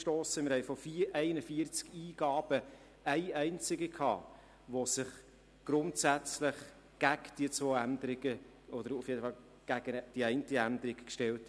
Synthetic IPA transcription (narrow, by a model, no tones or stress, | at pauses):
ʃtoːsəmɪɾhɛɪfɔfiʔɛɪnəfiəɾt͡skiːɡ̥ɑːb̥ə | æɪæɪnt͡sɪɡəkʰɑ̰ː | ʋosɪχ | ɡ̥ɾʊntsæt͡slɪχ | ɡ̥æɡd̥iət͡sʋoːænd̪əɾɪɡ̥ə | ʔɔd̥̪əɾufjedəfɑl | ɡ̥æɡ̥əd̥iɛɪntəænd̪əɾɪkkʃtɛlt